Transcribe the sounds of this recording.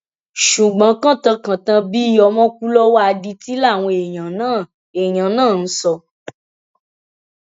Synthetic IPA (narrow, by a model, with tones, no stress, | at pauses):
ʃu˨ɡ͡bã˨˦kã˦tã˧kã˨tã˧bi˦ɔ˧mɔ̃˦ku˦lɔ˦wa˦a˧di˧ti˦la˦˨w̃ɔ̃˧e˨j̃ã˨nãː˦˨ | e˨j̃ã˨˦nãː˦˨n̩˦sɔ˧